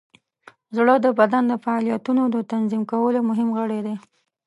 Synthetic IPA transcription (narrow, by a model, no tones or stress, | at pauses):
zɽəd̪əbad̪and̪əfaɑlijat̪unod̪ət̪anzimkawəlomʊɦɪmɣəɽed̪e